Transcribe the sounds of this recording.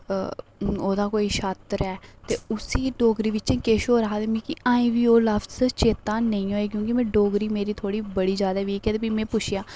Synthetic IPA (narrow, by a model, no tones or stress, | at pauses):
oːd̪aːkoːiːʃaːt̪ɾɛːt̪eːʊsiːɖoːɡɾiːʋɪt͡ʃẽːkeːʃoːɾəɦaːt̪emĩːkɪʔaːĩːʋiːoːləbzt͡ʃeːt̪ãːnəĩːɦoːeːk̬jõːk̬ɪmɛ̃ːɖoːɡɾiːmeːɾiːt̪ʰoːɽiːbəɽiːd͡ʒjaːd̪aːʋiːkɛːt̪ebimɛ̃ːpʊt͡ʃʰɪjaː